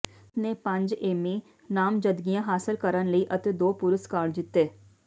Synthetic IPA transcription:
neːpə̃ɲd͡ʒeːmẽː | naːmd͡ʒəd̪ɡijãːɦaːsɪlkəɾənləiːʔət̪eːd̪oːpʊɾəskaːɖd͡ʒɪt̪ːeː

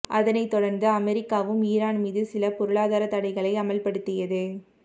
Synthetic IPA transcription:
ʔɐðɐnɐɪt̪ːɔɽɐɾnd̪ɯɐmɛɾɪkːaːʋɯmiːɾaːnmiːðɯsɪlɐpɔɾɯɭaːðaːɾɐt̪ːɐɽɐɪɣɐɭɐɪɐmɐlpɐɽɯt̪ːɪjɐðɯ

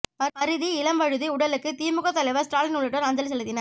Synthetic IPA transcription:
pɐɾɐɾɯðiɪlɐmbɐɻɯðiʊɽɐlɯkːɯt̪iːmɯɣɐt̪ːɐlɐɪʋɐsʈɾaːlɪnʊɭːɪʈːɐɾɐnd͡ʒɐls̬ɛlːɯt̪ːɪnɐ

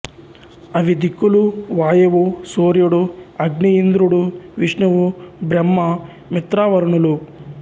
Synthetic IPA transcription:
ɐʋid̪ikːuluʋaːjɐʋusoːɾjuɽuɐɡɳiind̪ɾuɽuʋiʂɳɐʋubɾɐmːɐ | mit̪ɾaːʋɐɾɳulu

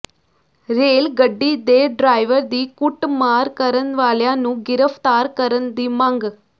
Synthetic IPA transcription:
ɾeːlɡɐɖːid̪eːɖɾaːjʋɐɾd̪iːkuʈːmaːɾkɐɾɐnʋaːljaːnũɡɪɾɐft̪aːɾkɐɾɐnd̪imaːŋɡɨ

